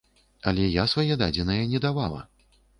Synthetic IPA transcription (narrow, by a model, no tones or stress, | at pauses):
ɐlʲɛjasvajɛd̪ad͡zʲɛnɐjɐnʲɛd̪avalˠɐ̰